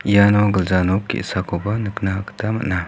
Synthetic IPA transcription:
ijanoɡəlzanok̚kḭsakobanɨknaktamə̰ʔ̚na

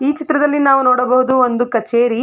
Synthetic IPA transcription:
iːt͡ʃit̪ɾɐd̪ɐlːinaːʋunoːɽɐbɐɦud̪uond̪ukɐt͡ʃeːɾi

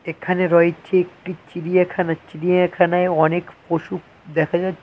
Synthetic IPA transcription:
ekʰaneɾɔit͡ɕʰeek̚ʈit͡ɕiɾiakʰanat͡ɕiɾiakʰanaeɔnekpoʃuk | d̪ɛkʰad͡ʑa

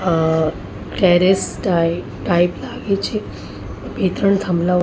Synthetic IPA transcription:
ʈɛɾesʈ | ʈajplaɡet͡ɕe | bet̪ɾəɳt̪ʰəmla

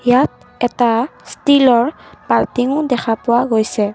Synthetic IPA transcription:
jat̚ | ɛtastilɔɹpaɹtiŋʊdɛxʰapʊwaɡojsɛ

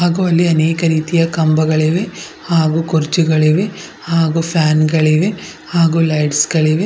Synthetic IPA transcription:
ɦaːɡuːɐlːiɐneːkɐɾiːt̪ijɐkɐmbɐɡɐɭeʋe | haːɡuːkuɾt͡ʃiɡɐɭeʋe | haːɡuːpʰjaːnɡɐɭeʋe | haːɡuːlɐjɖsɡɐɭeʋe

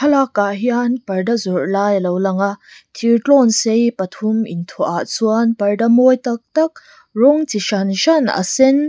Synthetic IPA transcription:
kʰɐlakːaʔɦianpɐrdɐzɔrlaːjlowlɐŋaʔt̪ʰirʈɔnsejpɐt̪ʰumint̪ʰɔʔaʔt͡suanpɐrdɐmɔjt̪ɐk̚t̪ɐk̚ | rɔŋt͡siʃanʃɐna̰sɛn

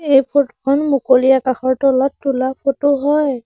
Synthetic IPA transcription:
ejpʰotkʰɔnmukolijakaxɔɹtɔlɔtːulapʰotʊɦɔj

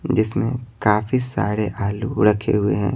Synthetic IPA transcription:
d͡ʒɪsmḛ̃kaːfisa̰ːɾeʔaːluʊ̰ɽəkʰḛɦʊḛɦɛ̰̃ː

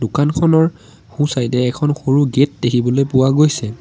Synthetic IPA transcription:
dʊkankʰɔnɔɹ | xũsajtɛːkʰɔnxoɹuɡet̚dekʰibɔlojpʊwaɡojsɛ

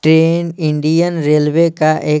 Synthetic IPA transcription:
ʈɾeːniɳɖijənɾeːlʋekaʔeː

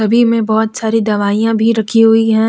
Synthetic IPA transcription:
ɐbʱimẽbɔːt̪saːɾid̪ɐʋaːijãbʱiɾɐkʰiɦʊiɦɛ̃ː

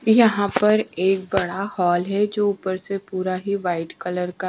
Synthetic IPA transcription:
jɐɦãpɐɾeːk̚bɐɽahɔːlɦɛd͡ʒoːʊpəɾsepuːɾaɦiʋaːɪʈkɐləɾka

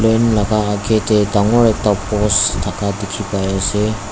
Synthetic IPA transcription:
lenlaɡaːɡʰetedaŋɔɾek̚tapɔstʰakʰadekʰipajase

